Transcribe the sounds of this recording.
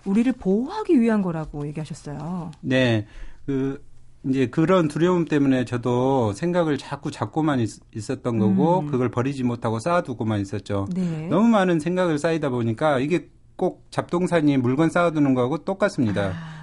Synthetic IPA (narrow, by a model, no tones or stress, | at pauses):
uɾiɾɯɭpoɦaɡiɥiiɦanɡʌɾaɡoje̞ɡiɦaɕʰʌs͈ʌjone̞kɯind͡ʑe̞kɯɾʌntuɾjʌumt͈e̞mune̞t͡ɕʌdosʰe̞ŋɡaɡɯɭt͡ɕak͈ut͡ɕak͈̚omaɲi | is͈ʌt̚t͈ʌnɡʌɡokɯɡʌɭpʌɾid͡ʑimotʰaɡos͈aduɡomaɲis͈ʌt̚t͡ɕ͈onenʌmumanɯnsʰe̞ŋɡaɡɯɭs͈aidaboɲik͈aiɡe̞ | k͈ok̚t͡ɕap̚t͈oŋsʰaɲimuɭɡʌns͈aadunɯnɡʌaɡot͈ok͈as͈ɯmɲida